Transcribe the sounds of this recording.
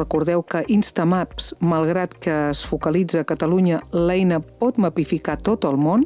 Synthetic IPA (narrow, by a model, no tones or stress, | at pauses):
rəkuɾðɛwkəʔinst̪əmapsməlˠɣ̞ɾat̪kəːsfukəlid͡zəːkət̪əluɲəlɛjnəpɔt̪məpifikat̪ot̪əlˠmon